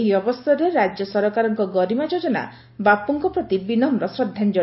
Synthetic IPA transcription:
ɦiɔbɔst̪ʰɔɾeɾad͡ʒjɔsɔɾɔkaɾɔŋkɔɡɔɾimad͡ʒod͡ʒɔna̰ | bapːuŋkɔpɾɔt̪ibinɔmɾɔsɾɔd̪ʱːand͡ʒɔ

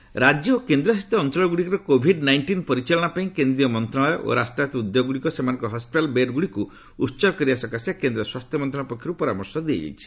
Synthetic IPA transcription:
ɾad͡ʒjɔokend̪ɾɔsit̪ːɔːnt͡ʃɔɭɔɡuɽikɔɾɔkobʱiɖnajɳʈinpɔɾit͡ʃɔlɔɽ̃apaĩkend̪ɾijɔmɔnt̪ɾaɔɔʔo̰ɾasʈɾat̪ɔud̪joɡuɽikɔsemanɔŋkɔɦɔspiʈalbeɾɡuɽiku | utːt͡ʃɔkɔɾiasɔkasjakend̪ɾɔswast̪ʰjɔmɔnt̪ɾãɔpɔkʰːiɾupɔɾamɔɾsɔd̪iḛd͡ʒa̰jt͡ʃʰi̥

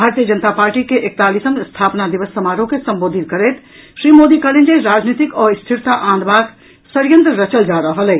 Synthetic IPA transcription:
bʱaɾt̪ijəd͡ʒənt̪apaɾʈikeʔek̚t̪alisəmst̪ʰapnad̪ibəsːəmaɾõkesəmboːd̪ʱit̪kəɾɛt̪ | ʃɾimod̪ikalend͡ʒeɾad͡ʒnit̪ikɔist̪ʰiɾt̪aʔãnd̪bak | səɾjənt̪ɾəɾət͡ʃəld͡ʒaɾəɦəlɛ

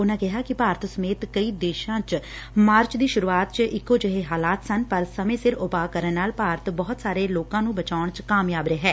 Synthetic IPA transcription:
ʊnãːkɪɦaːkɪpaːɾt̪səmeːt̪kəiːd̪eːʃãːt͡ʃ | maːɾt͡ʃd̪iːʃʊɾuːaːt̪̚t͡ʃɪkːoːd͡ʒəɦeːɦaːlaːt̪sənpəɾsəmẽːsɪɾʊpaːkəɾənːaːlpaːɾt̪bɔːt̪saːɾeːloːkãːnũːbət͡ʃaːʊɳt͡ʃkaːmjaːbɾeːɦɛː

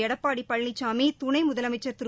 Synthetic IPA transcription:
ɛɽɐpːaːɽipːɐɻlɪt͡ʃːaːmiːt̪ʊnɐɪmʊðɐlɐmɐɪt͡ʃːɐɾt̪ʊɾ

